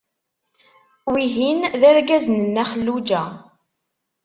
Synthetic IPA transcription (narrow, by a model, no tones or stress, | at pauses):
wiɦinðæɾɡæzənənːæχəlːud͡ʒæ